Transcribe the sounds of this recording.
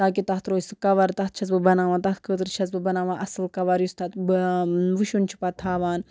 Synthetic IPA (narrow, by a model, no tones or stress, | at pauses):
t̪aːk̬it̪ɐht̪ɾoːsɨkɐʋɐɾt̪ɐt̪̚ʰt͡ʃʰɐs̬bɨbɐnaːʋãːt̪ɐt̪̚ʰkʰəːt̪ɨɾt͡ʃʰɐsbɨbɐnaːʋãːʔɐsɨlkɐʋɐɾjust̪ʰɐt̪bʋɨʃunt͡ʃʰi̥pɐt̪ʰaːʋaːn